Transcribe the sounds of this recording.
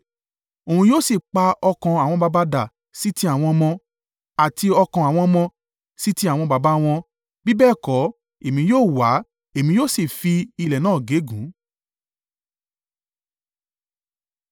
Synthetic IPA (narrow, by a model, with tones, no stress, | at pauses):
o˨ũ˧˦joː˦˨si˨k͡pa˧ɔ˧kã˧a˨w̃ɔ̃˧ba˧ba˧da˨ | si˦ti˦a˦˨w̃ɔ̃˧mɔ̃˧ | a˨ti˧ɔ˧kã˧a˨w̃ɔ̃˧mɔ̃˧ | si˦ti˧˦a˨w̃ɔ̃˧ba˨˧ba˨˦w̃ɔ̃˧ | bi˦bɛː˦˨kɔ˨˦ | e˨mĩ˧˦joː˦˨wa˨˦ | e˨mĩ˧˦joː˦˨si˨fi˧i˧lɛ˨nãː˦˨ɡe˨˦ɡũ˨˦